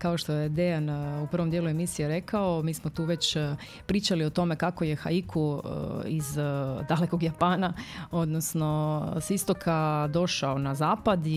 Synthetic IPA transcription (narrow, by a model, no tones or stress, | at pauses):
kaoʃt̪ojed̪eanupr̩ʋomd̪jeːlue̞misijeɾe̞kaomiːsmot̪uːʋet͡ɕ | pɾiːt͡ɕalio̞t̪o̞me̞kako̞je̞xa̰ikʰṵ | izd̪aleko̞ɡjapaːnao̞d̪nosno̞sist̪okʰad̪o̞ʃaonazaːpad̪